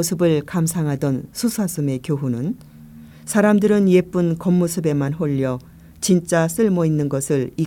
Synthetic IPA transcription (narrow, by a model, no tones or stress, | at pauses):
osʰɯbɯɭkamsʰaŋɦadʌnsʰusʰas͈ʰɯme̞kjoɦunɯn | sʰaɾamdɯɾɯnje̞p͈ɯnkʌmːosʰɯbe̞manɦoʎːʌ | t͡ɕint͡ɕ͈as͈ɯɭmʌinːɯnɡʌsʰɯɭi